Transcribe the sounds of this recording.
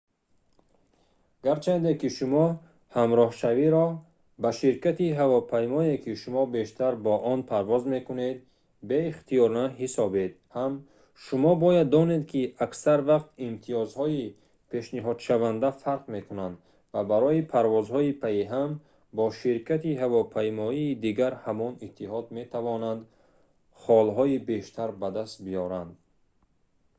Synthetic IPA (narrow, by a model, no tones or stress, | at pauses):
ɡaɾt͡ʃʰand̪ekiʃumɔ | hamɾɔhʃaviɾɔ | baʃiɾkat̪iɦavɔpʰajmɔekʰiʃumɔbe̞ʃt̪ʰaɾbɔʔɔnpʰaɾvɔzme̞kune̞d̪ | be̞iχt̪ʰijɔɾnaɦisɔbe̞d̪̚ | ham | ʃumɔbɔjad̪ːɔne̞d̪kʰiaksaɾvaqt̪imt̪ʰiɔzhɔi | pʰe̞ʃniɦɔd̪ʃavand̪afaɾqme̞kʰunand̪ | vabaɾɔipʰaɾvɔzhɔipʰaiɦam | bɔʃiɾkʰat̪ihavɔpʰajmɔiːd̪iɡaɾhamɔnit̪ʰːiɦɔd̪me̞t̪ʰavɔnand̪ | χɔlɦɔibe̞ʃt̪ʰaɾbad̪ast̪̚bijɔɾand̪